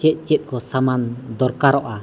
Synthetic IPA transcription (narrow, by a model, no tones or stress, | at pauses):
t͡ʃɛt̪̚ˀt͡ʃɛt̪̚ˀkɔsamand̪ɔɾkaɾɔʔa